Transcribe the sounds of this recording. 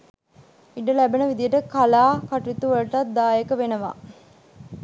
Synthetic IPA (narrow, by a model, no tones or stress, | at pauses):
iɖəlæbenəʋid̪ijəʈəkalaːkaʈuit̪uʋəɭʈat̪̚d̪aːjekəʋenəʋa̰ː